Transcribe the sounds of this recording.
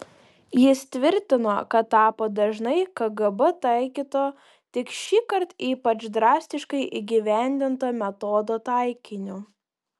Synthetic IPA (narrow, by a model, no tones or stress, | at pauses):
jɪst̪ʲʋʲɪɾʲt̪ʲɪno̰ːkɐt̪ːɑːpoːd̪ɐʒnɐɪkɐɡɐbɐt̪ɐˑɪkʲiːt̪oː | t̪ʲɪkʃʲiːkɐɾt̪iːpɐt͡ʃd̪ɾɑːsʲt̪ʲɪʃkɐɪʔiːɡʲɪʋʲæˑnʲd̪ʲɪnt̪oːmʲɛt̪ɔːd̪oːt̪ɑˑɪkʲɪnʲʊ